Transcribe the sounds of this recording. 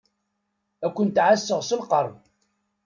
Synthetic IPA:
ækʷːənt̪ʕasːəʁsəlqəɾˤ

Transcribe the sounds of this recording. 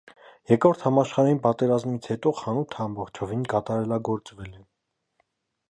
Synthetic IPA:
jɛkɾɔɾt̪ʰhɑmɑʃχɑɾɑjinpɑt̪ɛɾɑzmit͡sʰhɛt̪ɔχɑnut̪ʰɑmbɔχt͡ʃʰɔvinkɑt̪ɑɾɛlɑɡɔɾt͡svɛlɛ

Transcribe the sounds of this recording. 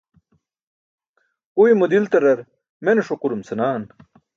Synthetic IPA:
ujmud̪ilt̪ɐɾɐɾ | meneʂoquɾumsɐnaːn

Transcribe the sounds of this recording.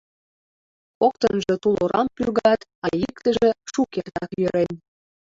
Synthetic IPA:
ok̚t̪ənʒɤt̪uloɾʔɑ̰mpyrɣɑt̪ɑjikt̪əʒeʃukert̪ɑkjøɾen

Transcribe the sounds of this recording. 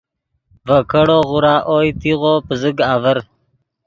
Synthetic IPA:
vəkəɽoːʁuɾaːʔoːjt̪iʁoːpəzəɡaːvəɾ

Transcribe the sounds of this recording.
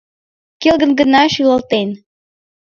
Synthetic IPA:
kelɣə̆nɡənɑʃylə̆lt̪en

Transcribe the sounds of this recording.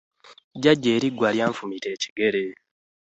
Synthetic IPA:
ɟaɟːeːɾiɡwaljaːɱfumite̞ːci̥ɡe̞ɾe̞

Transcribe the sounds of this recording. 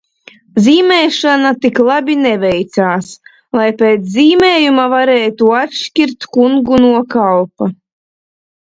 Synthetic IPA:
ziːmʲɛːʃanat̪iklˠabʲinɛvɛjt̪saːs | lˠajpeːt̪szʲiːmeːjumavaɾeːt̪uatʃcʲiɾt̪kuŋɡunuɔkalˠpa

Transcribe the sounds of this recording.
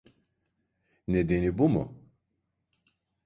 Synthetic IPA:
ned̪enibumṵ

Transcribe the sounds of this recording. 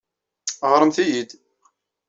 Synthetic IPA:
ʁɾˤəmθijid̪

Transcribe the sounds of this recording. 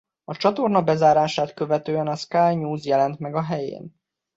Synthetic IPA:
ɒt͡ʃɒt̪o̞rnɒbɛzaːɾaːʃaːt̪kø̞vɛt̪øːɛnɒskaːjɲuːzjɛlɛnt̪mɛɡɒɦɛjḛːn

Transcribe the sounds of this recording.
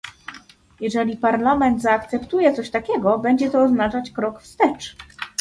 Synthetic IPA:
jɛʐɛlʲipaɾlamɛnt̪zaːkt̪sɛpt̪ujɛt̪sɔɕt̪akʲɛɡɔbɛɲd͡ʑɛt̪ɔːznat͡ʂat͡ɕkɾɔkfst̪ɛt͡ʂ

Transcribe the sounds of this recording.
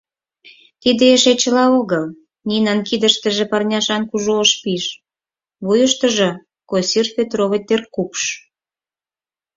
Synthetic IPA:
t̪id̪eeʃet͡ɕəlɑoɣəl | nʲinɑnkid̪əʃt̪ə̆ʒĕpɑrnʲɑʃɑnkuʒoːʃpiʃ | βujəʃt̪əʒɤ̆ | kosirpʲet̪roβĕt̪erkupʃ

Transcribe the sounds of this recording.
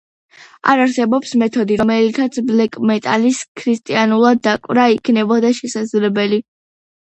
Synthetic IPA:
a̰ɾaɾsɛbɔpsmɛt̪ʰɔd̪iɾɔmɛlit̪ʰat̪sʰblɛkʼmɛt̪ʼaliskʰɾist̪ʼianulˠad̪ːakʼwɾaikʰnɛbɔd̪aʃɛsazlɛbɛli

